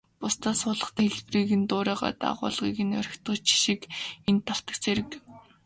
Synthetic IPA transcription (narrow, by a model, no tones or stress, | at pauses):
pʊst̪aːsʊːɮə̆χt̪ːxeɮpriːɣɘ̆nt̪ʊːɾæːʁa̰ːt̪a̰ʁʊ̰ːɮʁiːɣɘ̆nœ̰ɾ̆ʲxʲt̪ɢʊ̆t͡ɕʰi̥ʃikent̪ʰːaw̥t̪ə̆kt͡seɾɘ̆k